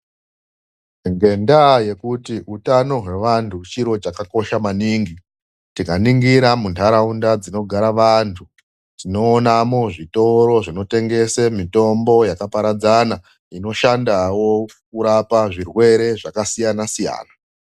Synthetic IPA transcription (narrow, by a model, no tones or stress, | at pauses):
ŋɡe̞ndaje̞kutiʔutano̞ɦwe̞ʋantʰut͡ʃiɾo̞t͡ʃakako̞ʃamaniːŋɡi | tikaniŋɡiɾamuntʰaɾaundad͡zino̞ɡʱaɾaʋantʰu | tino̞ːnamoʐito̞ɾo̞ʐino̞te̞ŋɡe̞semito̞mbo̞jakapaɾad͡zana | ino̞ʃandawo̞k̚uɾapaʐirwe̞ɾe̞ʐakasijanasija̰ːna